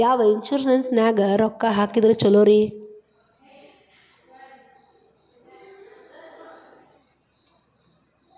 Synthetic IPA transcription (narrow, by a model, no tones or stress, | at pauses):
jaːʋɐinʃuɾnɐnsnaːɡɐɾɔkːaɦaːkid̪ɐɾut͡ʃɔloːɾi